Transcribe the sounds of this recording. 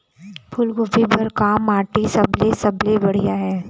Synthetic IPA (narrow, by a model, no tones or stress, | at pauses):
pʰʊlɡʊbibɐɾkaːmaːʈisɐblesɐblebɐɽ̤ijaɦɛː